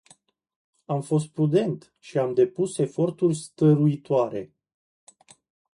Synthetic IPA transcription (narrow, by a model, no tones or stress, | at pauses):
amfo̞s̬t̪̚pɾud̪e̞nt̪ | ʃiamd̪e̞puse̞fo̞rt̪urʲst̪əɾuit̪oaɾe̞̰